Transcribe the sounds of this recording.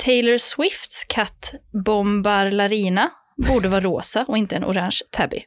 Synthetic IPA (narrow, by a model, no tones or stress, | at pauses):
t̪ʰɛɪləɾswɪft̪skʰat̪ːbɔmbaɾlaɾiːna | buːɖəvɑːɾɾo̰ːsaʔɔɪnt̪əɛnʔʊ̰ɾanʃt̪ʰabɪ̰